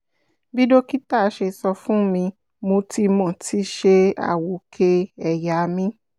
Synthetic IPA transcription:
bi˦do˦ki˦ta˦˨˧ʃe˧sɔ˧fũ˦mĩ˧ | mo˧ti˧mɔ̃˨tʰi˨˦ʃe˧a̰˦˨wo˨˦kʰe˧ɛ˨ja˨˧mĩ˦

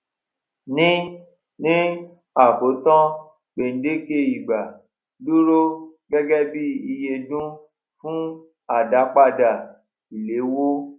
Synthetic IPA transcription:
nĩ˦ | nĩ˦ | a˨ko˨˦tɔ̃˦ | k͡pe˨n̩˨˦de˦ke˧˨i˨ɡ͡ba˨ | lu˦ɾo˦ɡɛ˦ɡɛ˦bi˦i˧je˧dũ˦ | fũ˦ | a˦˨da˨˦k͡pa˦˧˨da˨ | i˨le˨˦wo˦

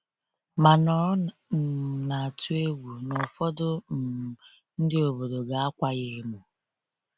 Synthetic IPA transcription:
ma˨nɔ˦˨ | na˨tu˦e˦wu˨nɔ˨fɔ˦dʊ˦m̩˨ | n̩˦dɪ˦o˨bo˨do˨ɡa˨a˦kʷa˦ɣe˦mu˨

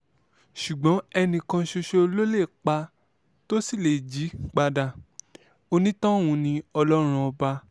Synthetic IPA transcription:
ʃu˨ɡ͡bɔ̃˨˦ɛ˧nĩ˨kã˧ʃo˧ʃe˧o˧lo˦le˦˨k͡pa˧ | to˦si˦˨le˨d͡ʒi˨˦k͡pa˧da˧˨ | o˧nĩ˦tɔ̃˦˨wũ˨˧nĩ˧ɔ˧lɔ˦ɾ̃ũ˧ɔ˧ba˧

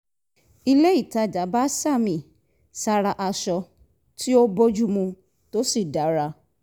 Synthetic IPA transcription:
i˧le˦i˦˨ta˧˦d͡ʒa˨˦ba˦sa˦˨mĩ˨ | sa˧ɾa˧ʔa˧ʃɔ˧ | tʰi˦o˦bo˦d͡ʒu˦mũ˧ | to˦si˦˨da˨˦ɾa˧˦

